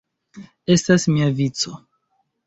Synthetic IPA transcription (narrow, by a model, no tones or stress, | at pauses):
e̞stasmiavit͡so̞